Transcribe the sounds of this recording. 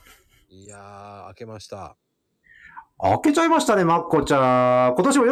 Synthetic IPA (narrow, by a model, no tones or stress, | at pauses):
aːke̞maɕi̥t̪a | a̰ke̞t͡ɕaimaɕi̥t̪ane̞makːo̞t͡ɕako̞t̪o̞ɕimojo